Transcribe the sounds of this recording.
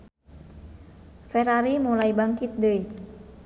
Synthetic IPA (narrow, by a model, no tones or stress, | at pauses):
fɛraɾimulaibaŋkit̪̚dəi